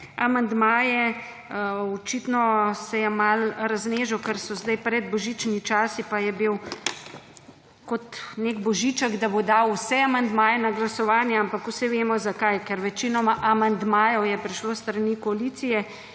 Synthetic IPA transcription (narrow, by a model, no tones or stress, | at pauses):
amand̪maːjɛ | ɔt͡ʃit̪nɔsɛjɛmalɾazneːʒəwkɛɾsɔzd̪ajpɾɛd̪̚bɔʒit͡ʃnit͡ʃaːsipajɛbiw | kɔt̪neɡbɔʒit͡ʃəɡd̪abod̪aːwusɛamand̪maːjɛnaɡlasɔʋaːnjɛampakusɛʋeːmɔzakajkɛɾʋɛt͡ʃinɔmaʔamand̪maːjɔwjɛpɾiʃlost̪ɾɐnikoalit̪sijɛ